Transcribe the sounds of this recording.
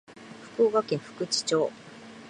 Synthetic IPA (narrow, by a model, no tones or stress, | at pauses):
ɸɯ̥koːɡakẽ̞ɰ̃ɸɯ̟̥kɯ̟t͡ɕi̥t͡ɕoː